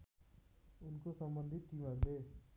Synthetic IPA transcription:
unkosɐmbɐnd̪ʱiʈiːmɐɾd̪eː

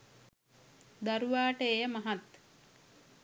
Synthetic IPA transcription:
d̪aɾuʋaːʈəeːjəmaɦat̪

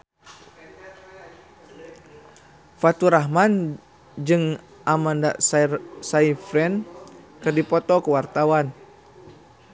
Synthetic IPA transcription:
fat̪uɾaɦman | d͡ʒɨŋ | ʔamanda̰ssaifɾɛnkɨrdipɔt̪ɔkəwart̪awan

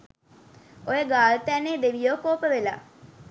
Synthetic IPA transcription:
ojəɡaːlt̪æneːd̪eʋijoːkoːpəʋela̰ː

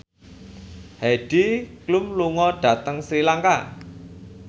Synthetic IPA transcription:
hɛɖ̥iklumluŋɔɖ̥a̤t̪əŋsɾilaŋka

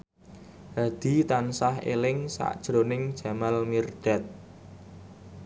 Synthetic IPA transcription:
had̪̥i̤t̪ansahelɪŋsa̰ʔd̥ʒ̥ɾonɪŋd̥ʒ̥a̤malmird̪̥ɛ̤t̪̚

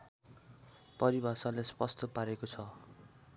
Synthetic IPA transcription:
pʌɾibʱasalespʌst̪ʌpaɾekot͡sʰʌ

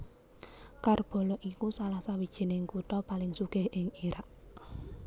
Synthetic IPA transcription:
karb̥ɔ̤lɔʔikusalahsawid̥ʒ̥i̤nɪŋkut̪ɔpalɪŋsuɡ̥ɪhʔɪŋiɾaʔ

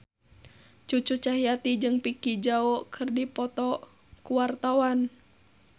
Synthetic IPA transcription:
t͡ʃut͡ʃut͡ʃaɦiat̪id͡ʒɨŋpikid͡ʒaɔkʰɨrdipɔt̪ɔ | kuwart̪awan

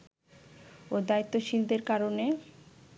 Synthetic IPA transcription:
od̪ait̪ːoʃild̪eɾkaɾone

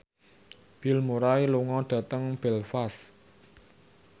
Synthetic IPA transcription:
b̥i̤lmuɾailuŋɔɖ̥ä̤t̪əŋb̥ɛlfas

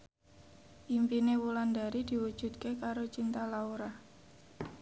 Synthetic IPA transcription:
ʔimpinewulanda̤ɾid̪̥i̤wud̥ʒ̥ṳt̪̚kekaɾot͡ʃint̪alauɾa

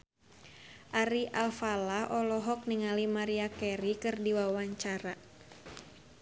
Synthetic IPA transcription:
ʔaɾiʔalfalaʔɔlɔɦɔk̚niŋalimaɾiakɛɾikɨrdiwawaɲt͡ʃaɾa

